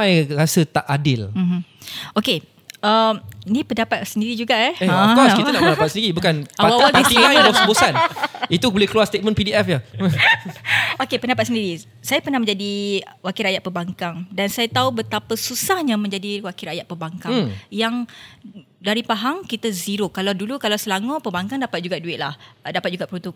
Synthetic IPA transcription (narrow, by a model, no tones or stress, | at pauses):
ajrasət̪aʔadɪlm̩moke | əminĩpəndapat̪səndiɾid͡ʒuɡaʔɛekɔskiənaʔpəndapat̪səndiɾibukanaawawalpisialɔsəbosanit̪ubolɛhkluarst̪et̪̚mə̃npidiɛfja | okepəndapat̪səndiɾi | sajapərnahmə̃ɲd͡ʒadiwakiɾajaʔ̪̚pəbaŋkaŋdansajat̪aubət̪apasusahɲãmə̃ɲd͡ʒadiwakiɾajaʔ̪̚pəbaŋkaŋjaŋ | daɾipaɦaŋkit̪aziɾokːalawdulukalawsəlaŋõpəbaŋkaŋdapat̪̚d͡ʒuɡaʔ̚duɪt̪̚lahdapat̚d͡ʒuɡaʔpəɾunt̪uk̚